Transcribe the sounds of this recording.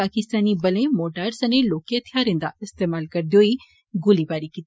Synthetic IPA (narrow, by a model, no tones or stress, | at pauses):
aːkɪst̪aːnibɐlẽmoːʈaːɾsɐneloːkijat̪ʰjaɾẽːnd̪a̰ɪst̪eːmaːlkɐɾd̪ioːi | ɡʊlibaːɾikit̪